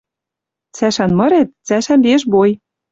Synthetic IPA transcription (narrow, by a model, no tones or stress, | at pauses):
t͡sæʃænmɤ̆ɾet̪̚t͡sæʃænbeʃboj